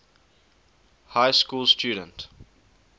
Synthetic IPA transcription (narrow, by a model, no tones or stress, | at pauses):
haɪskuːlstjuːdə̃nt